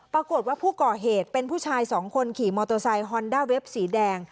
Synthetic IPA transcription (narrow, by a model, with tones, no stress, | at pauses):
pɾa˧ko˨˩t̪̚waː˥˩pʰuː˥˩kɔː˨˩ɦeː˨˩t̪̚pe˧npʰuː˥˩t͡ɕʰaː˧jsɔː˩˦ŋkʰo˧nkʰiː˨˩mɔː˧t̪o˧sa˧jɦɔː˧ndaː˥˩we˦˥p̚siː˩˦dɛː˧ŋ